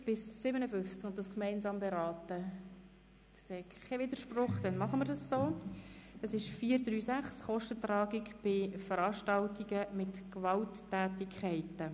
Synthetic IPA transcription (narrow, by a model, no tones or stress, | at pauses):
b̥ɪsːɪbənəfʏnft͡skʊnt̚d̥ɑskmɛɪnsɑːmbɛɾɑːtə | kseːkkʰːɛvɪd̪əɾʃprʊχd̥ɛnmɑχəməɾdɑssoː | əsɪʃfiːəɾd̪ryːsæχsχɔʃtət̪rɑːɡɪkb̥ɪfəɾɑːʃtɑltiɡəmɪtkvɑltː | æːtɪkʰχæɪtə